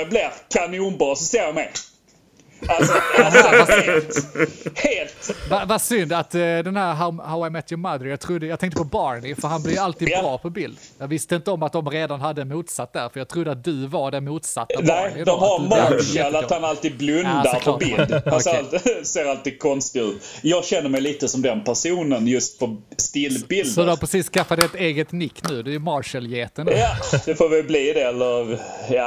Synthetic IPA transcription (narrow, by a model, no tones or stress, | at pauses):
blɪɾkʰanɪuːnbɑːsɔseːɾɔmɛ | alsa | heːlt̪avasʏnd̪at̪d̪ɛnɦæɾɦahaʊamɛt̪ʰjʊmad̪ɾjɑːɡ̚t̪ʰɾʊd̪ːəjɑːɡt̪ʰɛŋt̪əpʰɔbɑɾɳɪfœəɾɦanblɪjalt̪iːbɾɑːpʰɔbɪld̪jɑːɡvɪst̪əɪnt̪əɔmːat̪̚d̪ɔmɾeːd̪anɦad̪ːəɛnmuːt̪sat̪̚ːd̪æːɾfœɾjɑːɡ̚t̪ʰɾʊd̪ːəat̪̚d̪ɵvaɖɛnmuːt̪sa̰t̪ːanæd̪ɔmhaɾmɑɛlat̪hanalt̪iːd̪̚blɵnd̪aɾpʰɔbɪld̪anːlseːɾalt̪iːɡ̚kʰɔnst̪ɪʉ̟ːt̪ | jɑːɡɕɛnːəɾmɛjliːt̪əsɔmd̪ɛnpʰæʂuːnənjɵst̪̚pʰɔst̪ɪlːbɪld̪ɔd̪apɾɛsiːsːkafːad̪ɛt̪eːɡət̪nɪkːnʉ̟ːd̪ɵæmɑɾʂəljeːt̪ənjad̪̥ɛfoːɾvɪlbliːd̪ɛɛlːəɾjɑː